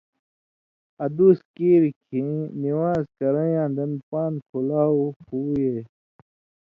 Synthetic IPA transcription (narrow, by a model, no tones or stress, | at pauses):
ɐd̪uːskiːɾkʰĩniwaːzkɐɾɐ̃jãːd̪ɐnpaːnkʰulaːuhuːjeː